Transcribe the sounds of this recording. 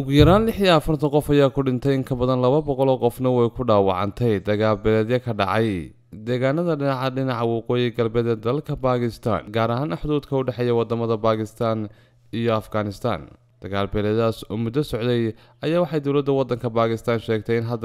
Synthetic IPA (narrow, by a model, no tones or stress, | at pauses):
ʔʊɣjɐɾaːnlɪħiɛɐfɐrt̪ʰɐqɔfɐjaːkʰʊɖɪnt̪ʰɛjɪŋkʰɐbɐðɐnlɐβɐbɔqɔlɔːqɔfnɐwɛjkʰʊɖaːwɑ̰ʕɑ̰nt̪ʰɛjd̪ɐɣaːlbɛlɛːðjɐkʰɐɖɑ̰ʕɑj | d̪ɛːɣaːnɐðɐɖɪnɑʕɑɖɪnɑʕɑwɑqɔːjɪɡɐlbɛːd̪ɐd̪ɐlkʰɐbaːkʰɪst̪ʰa̰ːnɡaːɾɐɦaːnɐħd̪uːd̪kʰɐʊɖɛħɛjɛwɑd̪ɐmɐðɐbaːkʰɪst̪ʰaːn | ijɔɐfɡaːnɪst̪ʰa̰ːn | d̪̥ɐɣaːlbɛlɛːðaːsɔːmʊd̪ːɐsɔʕd̪ɛj | ɐjaːwɑħɑjd̪ɔwlɐd̪ːɐwɑd̪ɐŋkʰɐbaːkʰɪst̪ʰaːnʃɛːɡ̚t̪ʰɛɪnɦɐd̪